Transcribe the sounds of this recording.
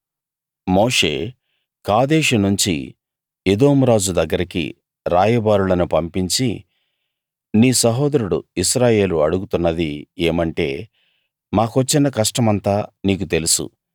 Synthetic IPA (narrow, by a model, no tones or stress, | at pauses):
mo̞ːʂe̞̰ː | kaːd̪eːʂunuɲt͡ʃḭ | ed̪o̞ːmuɾaːd͡ʒud̪ɐɡːɐɾikḭ | ɾaːjɐbaːɾulɐnupɐmpiɲt͡ʃḭ | niːsɐɦoːd̪ɐɾuɽṵiʃɾaːje̞ːluɐɽuɡut̪unːɐd̪ieːmɐɳʈe̞̰ː | maːkuɐt͡ʃːinːɐkɐʂʈɐmɐnt̪aːniːk̬ut̪elusṵ